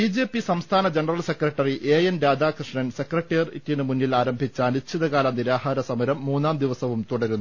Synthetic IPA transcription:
biːd͡ʑeːpːisɐmst̪ʰaːnɐd͡ʑeɳɐrɐlse̞krɐʈːɐriʔeːjenɾaːd̪aːkrɨʂɳɐnse̞krɐʈːijɐrḭtːinɨmunːilaːɾɐmbʱit͡ɕːaːnut͡ɕʰːiðɐkaːlɐmniɾaːhaːɾɐsɐmɐɾɐmːuːnːaːmd̪iʋɐsɐʋumt̪uɽɐɾunː

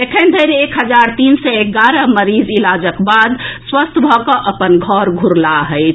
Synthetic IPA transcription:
ekʰənd̪ʱəɪɾeekɦəd͡ʒaɾt̪insɛeɡaɾəməɾizilad͡ʒəkbad̪swəst̪ʰbʱɔkəʔəpənɡʱɔɾɡʱuɾlaɦəɪt͡ʃʰ

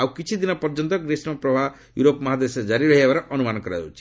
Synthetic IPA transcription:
awkit͡ʃʰid̪inɔpɔɾd͡ʒɔnt̪ɔɡɾesmapɾɔbʱa | juɾopmɔɦad̪esɔd͡ʒaɾiɾɔɦiebaɾɔʔɔnumanɔkɔɾaɔwt͡ʃʰi̥

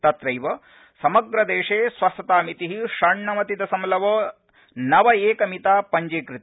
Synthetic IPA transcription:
t̪ɐt̪ɾɐjʋɐ | sɐmɐɡɾɐd̪eːʂeːsʋɐsɐt̪aːmit̪iɦiʃɐɳːɐmɐt̪id̪ɐsɐmlɐʋɐː | nɐʋɐeːkɐmit̪aːpɐɲd͡ʒeːkɾit̪

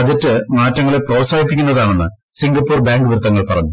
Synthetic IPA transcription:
ɐd͡ʑɐtːɨmaːtːɐŋːɐɭepro̞ːsaːɦipːikʲːunːɐðaːɳe̞nːɨ | siŋɡɐpːuːrbaːŋɡɨʋirt̪ːɐŋːɐɭpɐrɐɲːu

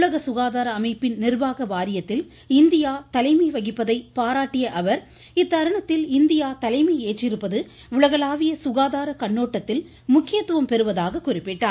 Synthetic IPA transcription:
ɭɐɣɐsʊɣaːðaːɾɐːmɐɪpːɪnnɪrbaːɣɐʋaːɾɪjɐt̪ːɪl | ɪnd̪ɪjaːt̪ɐlɐɪmɐɪʋɐɣɪpːɐðɐɪpaːɾaːʈːɪjɐʔɐʋɐɾ | ɪt̪ːɐɾɐɳɐt̪ːɪlɪnd̪ɪjaːt̪ɐlɐɪmɐeːʈrɪɾɯpːɐðɯ | ʊɭɐɣɐlaːʋɪjɐsʊɣaːðaːɾɐkɐɳːoːʈːɐt̪ːɪl | mʊkːɪjɐt̪ːɯʋɐmpɛɾɯʋɐðaːɣɐkʊrɪpːɪʈːaː

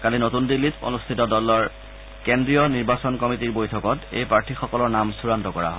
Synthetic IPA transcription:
kalinotundilːito̰nustʰitɔdɔlɔɹ | kendɹijɔniɹbasɔnkɔmitiɹbojtʰɔkɔtḛjpaɹtʰixɔkɔlɔɹnamsuɹantɔkɔɹa̰ɦɔ

